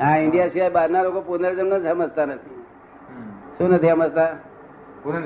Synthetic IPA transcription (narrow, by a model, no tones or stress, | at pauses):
ɦãiɳɖijasiajbaɾnalokopunəɾd͡zənnət͡sɦəməst̪anət̪ʰi | sonət̪iɦəməst̪a